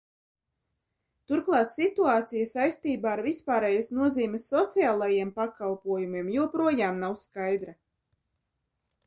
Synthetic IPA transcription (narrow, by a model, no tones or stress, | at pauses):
t̪uɾklˠɑːt̪sit̪uaːt̪sijasajst̪iːbaːɾvispaːɾɛjasnuɔziːmʲɛsːɔt̪siaːlˠajiɛmpakalˠpuɔjumʲiɛmjuɔpɾuɔjaːmnawskajd̪ɾa